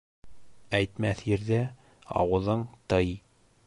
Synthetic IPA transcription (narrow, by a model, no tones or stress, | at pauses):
æjt̪mæθjɘ̆ɾðæ | ɑ̰wɤ̆ðɤɴt̪ɤj